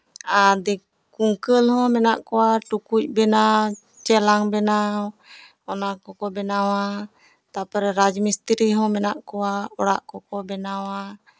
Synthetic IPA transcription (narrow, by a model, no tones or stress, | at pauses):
adi | kuŋkəlhɔ̃mɛnaʔkowaʈukuc̚bɛnaw | t͡ʃɛlaŋbɛnaw | ɔnakɔkɔbɛnawa | t̪apɛɾɛɾad͡ʒmist̪iɾiɦɔ̃mɛnaʔkuaɔɽa̰ʔkɔkɔbɛnawa